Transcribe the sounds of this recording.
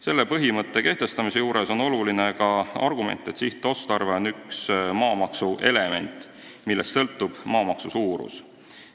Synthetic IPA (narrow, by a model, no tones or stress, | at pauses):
se̞lːepɤɦimɤt̪ːˑe̞ke̞ht̪e̞st̪ɑmise̞juːɾe̞so̞no̞luline̞kɑɑ̰rɡume̞̰nt̪ːˑe̞t̪siht̪ːˑo̞st̪ɑrve̞onːyksmɑːmɑksuʔe̞le̞me̞̰nt̪ˑ | milːest̪sɤ̞lt̪ːˑub̥mɑːmɑksusuːɾṵs